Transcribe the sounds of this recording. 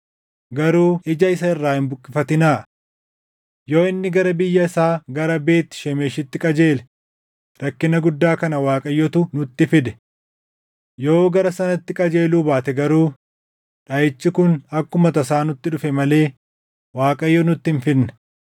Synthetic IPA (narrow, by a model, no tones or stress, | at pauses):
ɡɐɾuːʔɪd͡ʒɐɪs̬ɐɪrːaːhɪmbʊkʼːɪfɐt̪ɪnaːʔ | jo̞ːɪnːɪɡɐɾɐbɪjːɐɪsaːɡɐɾɐbe̞ːt̪ːɪ̥ʃɛmeːʃɪt̪ːɪkʼɐd͡ʒeːlɛ̥ | ɾɐkːɪnɐɡʊd̪ːaːkɐnɐwaːkʼɐjːɔt̪ʊnʊt̪ːɪfɪd̪ɛ̥ | jo̞ːɡɐɾɐsɐnɐt̪ːɪkʼɐd͡ʒe̞ːluːbaːt̪ɛɡɐɾuː | ᶑɐjɛt͡ʃːɪkʊnɐkːʊmɐt̪ɐs̬aːnʊt̪ːɪᶑʊfɛmɐle̞ː | waːkʼɐjːɔnʊt̪ːɪnfɪnːɛ̥